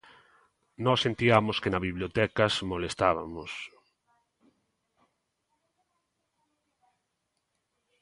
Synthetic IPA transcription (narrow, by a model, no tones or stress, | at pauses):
nɔsːent̪iamoskenaβiβljot̪ɛkasmolest̪aβ̞amos